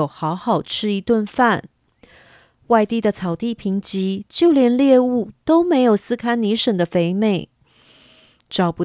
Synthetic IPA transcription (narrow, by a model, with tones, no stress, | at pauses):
ʊxɑ˧˥ʊxɑ˨˩ʊʈ͡ʂʰɻ̩˥i˧˥t̪wə˥˧nfa˥˩n | wa˥˧ɪt̪i˥˩d̪ə˩t͡sʰɑ˨˩ʊt̪i˥˩pʰi˧˥ŋt͡ɕi˧˥t͡ɕjo˥˩ʊljɛ˧˥nljɛ˥˧u˥˩t̪o˥ʊme˧˥ɪjo˨˩ʊsɹ̩˥kʰa˥nni˧˥ʂə˨˩ŋd̪ə˦fe˧˥ɪme˥˩ɪ | ʈ͡ʂɑ˨˩ʊpu˧